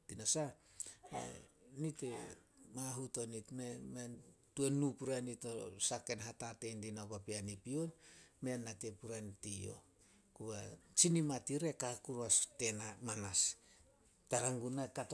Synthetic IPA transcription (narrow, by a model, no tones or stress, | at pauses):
tinasa | ḛnitemaɦutonitmemen | tuenupuɾanitosake̞nɦatatendinapapianipionmeanːatepuɾantio̰ | kuat͡ʃinimatiɾe̞kakuɾuaste̞namanas | taɾaŋɡunakat